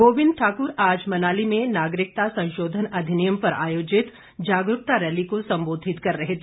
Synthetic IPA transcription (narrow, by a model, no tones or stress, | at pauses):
ɡoːʋɪ̃nd̪̚ʈʰaːkʊɾaːd͡ʒmɐnaːlimẽnaːɡɾɪk̚t̪asɐ̃nʃoːd̪ʱənɐd̪ʱɪnijəmpɐɾa̰ːjoːd͡ʒɪt̪ | d͡ʒaːɡɾʊk̚t̪aɾɛːlikosɐ̃mboːd̪ʱɪt̪kɐɾːɐɦet̪ʰe